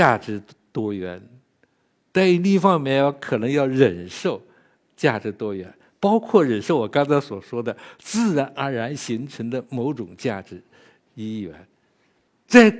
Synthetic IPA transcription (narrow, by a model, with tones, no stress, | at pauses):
a˥˩ʈ͡ʂɻ̩˧˥ | t̪wɔ˥ɥɛ˧˥n | t͡sa˥˧˩ɪ˥li˥˩fɑ˥˧mɛ˥˩jkʰɤ˨˩nɤ˧˥ŋjɑ˥˩ʊɻə˨˩nʂo˥˩ʊ | t͡ɕja˥˩ʈ͡ʂɻ̩˧˥t̪wɔ˥ɥɛ˧˥n | pɑ˥ʊkʰwɔ˥˩ɻə˨˩nʂo˥˩ʊwɔ˨˩kɑ˥ŋt͡sʰa˧˥ɪswɔ˨˩ʂwɔ˥d̪ə˨t͡sɹ̩˥˩ɻa˧˥nʔə˞˧˥ɻa˧˥nɕi˧˥ŋʈ͡ʂʰɤ˧˥ŋd̪ə˧mo˧˥ʊʈ͡ʂʊ˨˩ŋt͡ɕja˥˩ʈ͡ʂɻ̩˧˥ | i˥ɥɛ̰˧˥n | t͡sa˥˩ɪ